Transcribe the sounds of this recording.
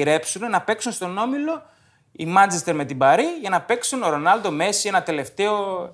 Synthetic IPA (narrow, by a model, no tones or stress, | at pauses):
ɾe̞psunenɐpe̞ksunst̪o̞no̞milo̞ | ḭmɐnt͡ʃest̪eɾme̞t̪ibɐɾiʝɐnɐpe̞ksunoɾo̞nɐld̪o̞me̞sienɐt̪e̞le̞ft̪e̞o̞